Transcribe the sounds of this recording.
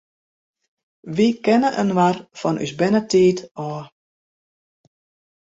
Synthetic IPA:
ʋikɛnəʔə̰nʋarfɔnʔy̰sbɛnətʰiːtɔː

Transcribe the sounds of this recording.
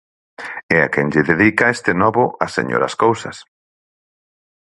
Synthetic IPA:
ɛakɛŋʎɪðeðikɐest̪ɪnɔβʊʔɐsḛɲo̰ɾɐ̰skowsɐs

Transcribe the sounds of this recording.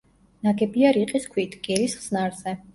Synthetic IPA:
naɡɛbiaɾiqʼiskʰwit̪ʰɡ̥ɛɾisχsnaɾzɛ

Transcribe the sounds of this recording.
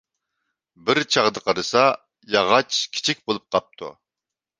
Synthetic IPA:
bɪɾt͡ʃʰɑʁd̪əqʰɑɾɨsɑ | jɑʁɑt͡ʃkʲʰi̥t͡ʃʰik̚ʲbolˠup̚qʰɑp̚t̪ʰṵ

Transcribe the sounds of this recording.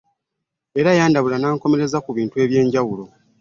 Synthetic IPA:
e̞ɾajaːndaβulanaːŋko̞me̞ɾe̞zakuβiːntue̞ːβje̞ːɲɟawulo̞

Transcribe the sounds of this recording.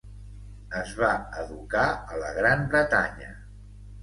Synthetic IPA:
əzβaəðukaələɣɾambɾət̪a̰ɲə̰

